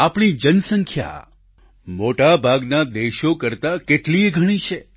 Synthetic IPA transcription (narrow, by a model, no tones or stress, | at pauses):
apɽ̃id͡ʒənsəŋkʰja̰ | moʈabʱaɡnad̪eʃokəɾt̪akeʈlieɡʱəɽ̃it͡ʃʰe